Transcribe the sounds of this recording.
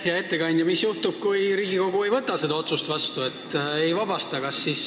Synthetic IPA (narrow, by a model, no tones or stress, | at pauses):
jɑe̞t̪ːe̞kɑnʲd̪jɑmisjuht̪ub̥̚kujɾiːɡiko̞ɡ̥ue̞jvɤt̪ːˑɑse̞d̪ɑo̞t̪sust̪vɑst̪ue̞t̪ːˑe̞jvɑb̥ɑst̪ɑkɑsːiːs